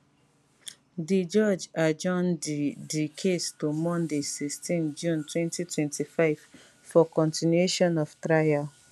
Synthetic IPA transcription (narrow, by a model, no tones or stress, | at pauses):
did͡ʒɔd͡ʒad͡ʒɔ̃nddikʰestomɔ̃ndesistĩnd͡ʒũntwɛ̃ntitwɛ̃ntifaɪv | fɔkɔ̃ntinueʃɔ̃nɔvtɾaja